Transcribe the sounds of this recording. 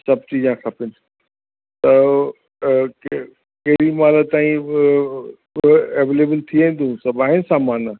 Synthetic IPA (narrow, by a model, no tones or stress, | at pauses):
sɐbt͡ɕid͡ʑãkʰapɪn | t̪ɐ | kɐɦɾimaːlət̪aːĩ | eʋeːleːbəlt̪ʰiaĩn̆d̪ũsɐbaːɦɪnsaːmaːn